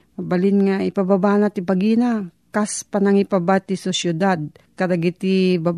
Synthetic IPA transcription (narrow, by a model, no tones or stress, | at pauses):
mabalɪnŋaɪpababanat̪ipaɡina | kaspanaŋɪpabat̪isʊsjʊd̪ad̪̚kad̪aɡit̪iba